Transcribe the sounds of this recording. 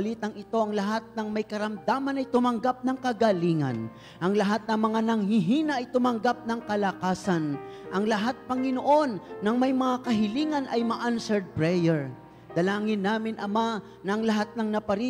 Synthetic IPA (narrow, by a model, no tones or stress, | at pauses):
liːt̪ɐŋɪt̪o̞ʔɐŋlɐɦat̪̚nɐŋmɐjkɐɾɐmd̪aːmɐnɐjt̪ʊmɐŋɡap̚nɐŋkɐɡaliŋɐ̰n | ʔɐŋlɐɦat̪̚nɐŋmɐŋanɐŋɦiɦiːnɐʔɐjt̪ʊmɐŋɡap̚nɐŋkɐlɐkaːsɐnʔɐŋlɐɦat̪̚pɐŋɪnoʔo̞nːɐŋmɐjmɐŋakɐɦɪliŋɐnʔɐjmɐʔansɛɹd̪̚pɹɛjɛɹ | d̪̥ɐlaːŋɪnːaːmɪnʔɐma | nɐʔɐŋlɐɦat̪̚nɐŋnɐpɐɾi